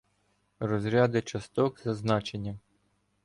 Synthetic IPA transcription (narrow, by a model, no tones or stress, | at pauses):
rɔzɾʲɑd̪ɪt͡ʃɐst̪ɔkzɐznɑt͡ʃe̞nʲːɐ